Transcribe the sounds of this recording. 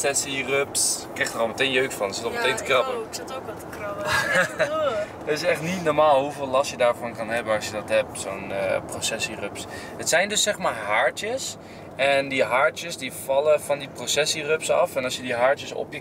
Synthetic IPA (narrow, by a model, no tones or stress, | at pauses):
sɛsirøpskrɪxtərɑlˠmətejnjøɥkfɑnɪsɪtɔmətejntəkrɑpəɪtokɔtəkrɑp | tɪsɛχtnitnɔɹmaːlˠɦuvɪːlɑstjədaːɹvɑnkɑnɦɛbənɑsjədɑtɦɛp̚soːnprosɛsirøps | ətsɛjndɵsːɛχxmaːɹɦaːɹtjəs | ɛndiɦaːɹtjəsdivɑləvɑndiprosɛsirøpsɑ̰fɛnɑsjədiɦaːɹtjəsɔ̰pjə